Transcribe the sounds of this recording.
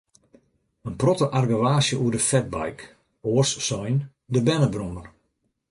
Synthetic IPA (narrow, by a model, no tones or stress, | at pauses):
ənprɔtəʔarɡəʋaːsjəʔuədəfɛt̚ba̰jk | oərssɔjn | dəbɛnəbromər